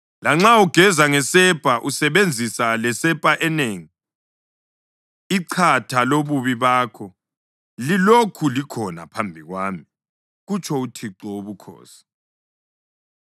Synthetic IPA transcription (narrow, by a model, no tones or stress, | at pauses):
laŋ͡ǁauɡ̥ʱɛzaŋɛsɛpʼaʔusɛβend͡zʱisalɛsɛpʼaʔɛneːŋi | iǃʰatʰaloβuβiβaːkʰɔ | lilokʰulikʰɔna̰pʰambʱiɣwaːmi | ɣut͡ʃʰʼɔutʰiǁɔoβukʰɔ̰ːsi̥